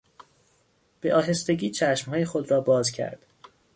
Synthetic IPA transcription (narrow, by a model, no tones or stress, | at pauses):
b̥eʔɒːɦe̞st̪e̞ɟiːt͡ʃʰæʃmhɒːjexod̪ɾɒːbɒːzcʰæ̰ɾd̪̥